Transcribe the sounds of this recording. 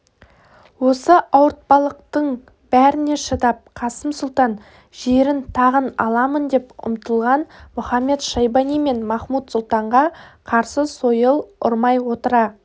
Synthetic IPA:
wo̞səʔɑwəɾt̪̚pɑlˠəq̚t̪əɴ | b̥æɾɪne̞ʃəd̪ɑp̚qʰɑsəmsʊlˠt̪ɑn | ʒ̥e̞ɾɪnt̪ʰɑʁənɑ̰lˠɑmənd̪e̞pʊ̰mt̪əlˠʁɑnmʊχɑmːe̞t̪ʃɑjbɑnijme̞nmɑχmut̪sʊlˠt̪ɑɴʁɑqʰɑɾsəso̞jəlˠʊɾmɑjwo̞t̪əɾɑ

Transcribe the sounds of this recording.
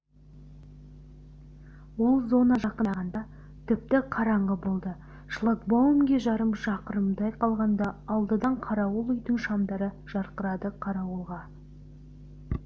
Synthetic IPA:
wolˠzo̞nɑʒɑqənʁɑnd̪ɑ | t̪ʰɪp̚t̪ɪqʰɑɾɑɴʁəbolˠd̪ə | ʃlˠak̚bowmɡʲeʒɑɾəmʒɑqəɾəmd̪ɑjqɑlˠʁɑnd̪ɑːlˠd̪əd̪ɑɴqʰɑɾɑwʊlˠʏjd̪ɪŋʃɑmd̪ɑɾə | ʒ̥ɑɾqəɾɑd̪əqʰɑɾɑwəlˠʁɑ

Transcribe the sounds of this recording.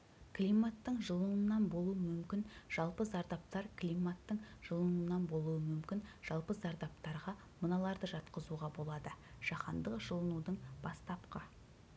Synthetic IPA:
klʲijmat̪ːəɴʒəlˠənənːɑnbo̞lˠuəmʏmkʲɪnʒ̥ɑlˠpəzɑɾd̪ɑp̚t̪ɑɾklijmat̪ːəɴʒ̥əlˠənuənɑnbo̞lˠuəmʏmkʲɪnʒ̥ɑlˠpəzɑɾd̪ɑpt̪ɑɾʁɑ | mənɑlˠɑɾd̪əʒɑt̪qəzuʁɑbo̞lˠɑd̪ə | ʒ̥ɑqɑnd̪əqʒ̥əlˠənud̪əɴbɑst̪ɑpqɑ

